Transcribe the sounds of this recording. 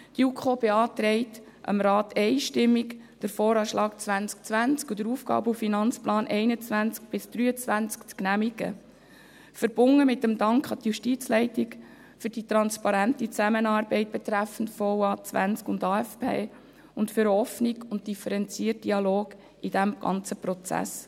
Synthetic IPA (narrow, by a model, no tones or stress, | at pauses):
d̥ukʰχoːbeɑːt̪ɾɛɪt | ʔə̰mɾɑːt̪ɛɪʃtɪmːik | d̥əɾfɔːɾɑːʃlʔɑːkt͡sʋænt͡sk̚t͡sʋænt͡skud̪əɾufɡ̥ɑ̰ːbufinɑnt͡splɑːnʔɛɪnət͡sʋænt͡sk̚b̥ɪsd̪̥ɾyːət͡sʋænt͡skt͡sknæmiɡ̥ə̰ | fəɾb̥ʊŋːəmɪt̪ːəmd̪ɑŋkχɑt̪juʃtit͡slɛɪtɪk | fʏɾd̥it̪ɾɑnspɑɾæntit͡sæmənɑːrbɛɪt̚b̥ɛt̪ɾæfən̩tfɔwɑːt͡sʋæ̰nt͡skʊnd̪ɑːæfpʰḛː | ʊntfʏɾɔfniɡʊnt̚d̥ifəɾɛnt͡siːərt̚d̥iɑloːɡ | id̥æmɡ̥ɑ̰nt͡səpɾɔt͡sæ̰s